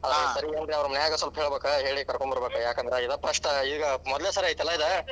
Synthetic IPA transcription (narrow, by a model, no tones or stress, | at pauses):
ɐd̪esɐɾiend̪ɾeɐʋɐɾɐmɐneaːɡɐsɐlpɐɦeɭbeːkɐɦeːɭikɐɾkoɳbɐɾbeːkɐjaːkɐnd̪ɾeid̪ɐpɐʂʈ̪ɐiiɡɐmɔd̪leːsɐɾɐːjt̪ɐlːɐid̪ɐ